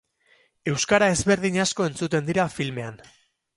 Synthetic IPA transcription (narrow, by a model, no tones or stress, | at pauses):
e̞wskaɾae̞zβe̞ɾðiɲasko̞e̞nt͡sut̪e̞nd̪iɾafilme̞an